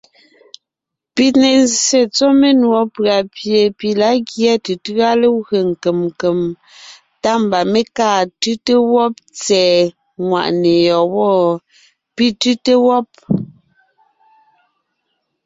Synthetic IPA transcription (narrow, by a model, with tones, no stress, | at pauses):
pi˦tne˨n˦se˨t͡so˦me˦nwɔ˨˦pɰa˨pje˨pi˨la˨˦ɣjɛ˦te˨tɰa˦le˦ɰe˨ŋ̩˨ke˨mŋ˨ke˨m | ta˦m̩˨ba˨me˦kaː˦˨tʉ˦te˦wɔ˦p̚t͡sɛː˨ | ŋwa̰˨ʔne˨jɔ˨wɔ˦˨ | pi˦tʉ˦te˦wɔ˦p̚